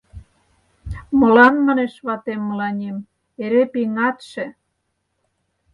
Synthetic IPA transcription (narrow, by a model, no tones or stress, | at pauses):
mŏlɑnmɑneʃβɑt̪emːəlɑnʲem | eɾepiŋɑt̪ʃĕ